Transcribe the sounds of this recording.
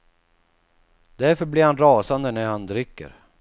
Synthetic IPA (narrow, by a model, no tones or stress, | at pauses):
d̪æɾfœɾblɪɾhanɾɑːsand̪ənæɾhand̪ɾʏkːə̰ɾ